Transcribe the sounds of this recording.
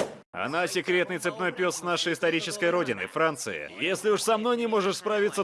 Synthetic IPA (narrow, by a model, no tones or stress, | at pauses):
ɐ̰nasʲɪkɾʲe̞t̪nɨjt̪sɨpnojpʲot̪snaʂəjɪst̪ɐɾʲit͡ɕɪskəjɾo̞dʲɪnɨ̰fɾant̪sɨ̰ɪ̰jesʲlʲɪʊʂsɐmno̞jnʲɪmo̞ʐɨʂspɾavʲɪt̪sə